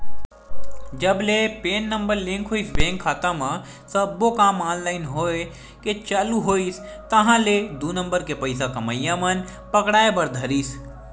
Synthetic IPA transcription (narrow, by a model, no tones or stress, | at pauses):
d͡ʒəblepeːnːə̃mbəɾlɪ̃ŋkɦoːisbẽːŋkʰːaːt̪ãmã | səbokaːmãːnlaːɪnɦoːe | ket͡ʃaːluɦoːis | t̪ɐɦãled̪unə̃mbəɾkepəɪsakɐməjãmɐn | pɐkɽaːebɐɾd̪ʱɐɾiːs